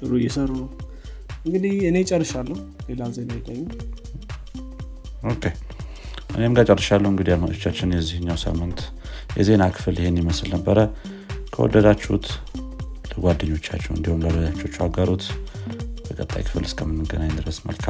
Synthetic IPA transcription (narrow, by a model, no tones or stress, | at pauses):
ɨɾujɛsəɾu | ɨŋɡɨd̪iɨnet͡ʃʼərːɨʃalːəhulelazenajɪkʼəɲːu | okʰːe̞ | ʔɨnemɡat͡ʃʼərːɨʃalːəhuɨŋɡɨd̪ijalmat̪ʰot͡ʃːat͡ʃːɪnjɛzihɨɲːawsə̰mɨnt̪ | jɛ̰ze̞nakʰɨ̥fɨlɪhenjiməslnəbːəɾə | kʰəwɔ̰d̪ːəd̪at͡ʃːṵt̪ʰ | ləɡʷad̪ːəɲːo̞t͡ʃːat͡ʃːɛwɨ̰nd̪ihumləwd̪əd̪at͡ʃːot͡ʃːwaɡəɾut̪ | bəkʼət̪ʼːa̰jkʰɨ̥fɨlɨskʰʼəmɨmːɨɡənaɲːnd̪ɨɾəsmə̰lkʰa